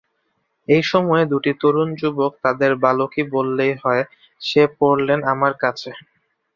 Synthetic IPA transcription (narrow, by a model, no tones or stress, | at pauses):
ejʃɔmɔed̪uʈit̪oɾund͡ʑubok̚t̪ad̪eɾbalokibolːejɦɔe | ʃepoɽlenamaɾkat͡ɕʰe